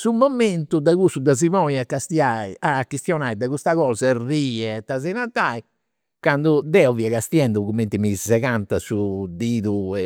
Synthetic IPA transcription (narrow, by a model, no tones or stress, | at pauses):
sumːɔment̪ud̪aɣusud̪azimɔːnjakːast̪iaːiʔakːist̪jɔnaːid̪aɣust̪aɣɔːzariːɛt̪ːazɛnat̪ːaːi | kand̪ud̪ɛɔviɛɣast̪jɛnd̪uɣumːent̪imisɛɣant̪asud̪iːðuɛ